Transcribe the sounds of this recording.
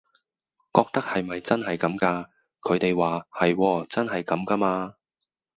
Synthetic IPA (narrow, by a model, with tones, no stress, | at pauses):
kɔː˧k̚t̪ɐ˥k̚hɐ˨jmɐ˨jt͡sɐ˥nɦɐ˨jkɐ˨˥mkaː˧ | kʰɵ˨˧ɥt̪e˨jwaː˨hɐ˨jwɔː˧t͡sɐ˥nɦɐ˨jkɐ˨˧˥mkɐ˧maː˧